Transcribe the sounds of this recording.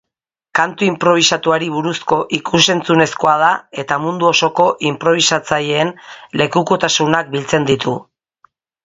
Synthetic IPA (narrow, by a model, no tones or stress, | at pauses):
kant̪uimpɾo̞βisat̪uaɾiβuɾusko̞ʔikuse̞nt͡sune̞sko̞að̞ae̞t̪amund̪uo̞so̞ko̞ʔimpɾo̞β̞isat͡saje̞ːnle̞kuko̞t̪asunak̚bilt͡se̞nd̪it̪ʰu